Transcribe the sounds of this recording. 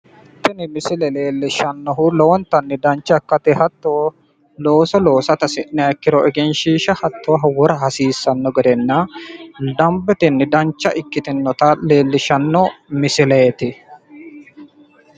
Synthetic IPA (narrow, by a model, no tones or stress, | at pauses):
t̪ːɪnɪmɪsɪlɛle̞ːlːɪʃɐnːɔɦʊlɔwɔnt̪ːɐnːɪd̪ɐnt͡ʃːɐkːɐt̪ɪhɐt̪ːo | loːsɔlo̞ːsɐt̪ɐsɪnɪɐkːɪɾɔʔɛɡɛnʃiːʃɐhɐt̪ːɔwɦɐwɔɾɐɦɐsiːsːɐnːɔɡɛd̪ɛnːɐ | d̪ɐmbɛt̪ɪnːɪd̪ɐnt͡ʃːɐʔɪkːɪt̪ɪnːɔt̪ɐle̞ːlːɪʃɐnːɔmɪsɪleːt̪ɪ